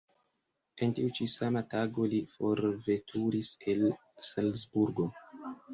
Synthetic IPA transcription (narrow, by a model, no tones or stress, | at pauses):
e̞ntiut͡ʃisamataɡo̞lifo̞ɾve̞tʰuɾise̞l | salsbuɾɡo̞